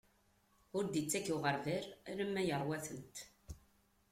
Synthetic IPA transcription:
ʊɾd̪it͡sːækːuʁəɾvɪɾɾəmːæjəɾˤwæθənt̪

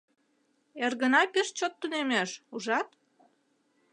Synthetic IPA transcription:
erɣənɑpeʃt͡ɕot̪ːunemeʃuʒɑt̪

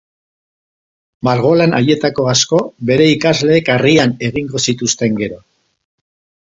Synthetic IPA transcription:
maɾɣo̞lana̰je̞t̪ako̞asko̞βe̞ɾe̞ikazle̞ːkariane̞ɣiŋɡo̞sit̪ust̪e̞ŋɡe̞ɾo̞

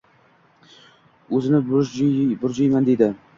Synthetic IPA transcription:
ɵzɪnɪbbʊɾd͡ʒojmand̪ed̪ɪ

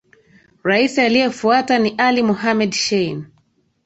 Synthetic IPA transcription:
ɾaisialijɛfuataniʔalimɔɦamɛdʃɛjn

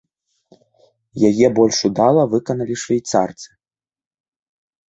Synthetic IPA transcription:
jajɛbɔlʲʂud̪alˠɐvɨkɐnɐlʲiʂvʲɛjt̪sart̪sɨ̥

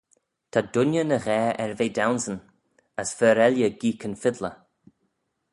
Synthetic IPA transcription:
t̪ʰadʊnjənəɣɛːɛɹveːdawnsən | əsfɛːɾɛljəɡiːkʰənfɪd̪lə

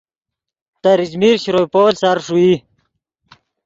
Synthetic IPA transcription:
t̪aɾid͡ʑmiɾɕiɾojpoːlsaɾʂui

